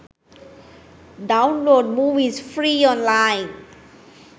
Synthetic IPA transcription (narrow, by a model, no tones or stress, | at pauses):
ɖãw̃nloːɖ̚muvizfɹiɔ̃nlajn